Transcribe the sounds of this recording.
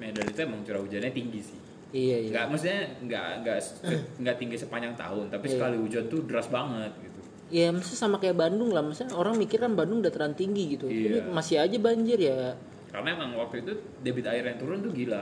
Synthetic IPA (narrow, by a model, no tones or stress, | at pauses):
medanit̪uemaŋt͡ʃuɾaud͡ʒanɲat̪iŋɡisɪh | ijaijaŋɡaʔmaks̬ɲaŋɡa̰ʔŋɡaʔsŋɡaʔt̪iŋɡisəpaɲd͡ʒaŋt̪a̰ʊnt̪apisəkaliud͡ʒant̪udəɾasbaŋət̪̚ɡit̪u | jamasɪsamakajaʔbandʊŋlahmasuɲaoɾaŋmikɪrkanbandʊŋdat̪əɾant̪iŋɡiɡit̪uiimasɪɦad͡ʒabaɲd͡ʒɪrja | ka̰ɾənaemaŋwak̚t̪uit̪u | debɪt̪aɪrjaŋt̪uɾʊnt̪uɡila